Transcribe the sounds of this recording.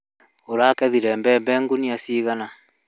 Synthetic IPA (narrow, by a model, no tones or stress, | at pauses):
oɾakɛðiɾɛmbɛmbɛŋɡuniasiɣana